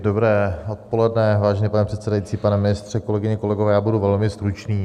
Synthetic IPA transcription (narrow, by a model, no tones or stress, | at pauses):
dobɾɛːot̪̚po̞lɛdnɛvaːʒɛɲɛpanɛpr̥ɛt̪sɛdajit͡siːpanɛmɪnɪst̪r̝̥ɛko̞lɛɡɪɲɛkolɛɡovɛːjaːbuduvɛlmɪst̪ɾut͡ʃniː